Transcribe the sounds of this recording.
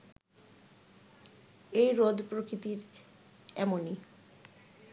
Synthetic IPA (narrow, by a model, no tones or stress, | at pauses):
ejɾod̪ʱpɾokɾit̪iɾ | ɛmoni